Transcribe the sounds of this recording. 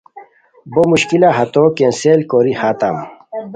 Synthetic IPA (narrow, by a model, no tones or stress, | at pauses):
bomuɕkilaɦɐt̪okenselkoɾihaːt̪a̰m